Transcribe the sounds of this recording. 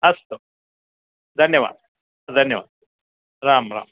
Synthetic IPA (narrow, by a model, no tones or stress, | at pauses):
ɐst̪o | d̪ʱɐnjɐʋa̰ːd̪̚ | d̪ʱɐnjɐʋa̰ːd̪̚ | ɾaːmɾa̰ːm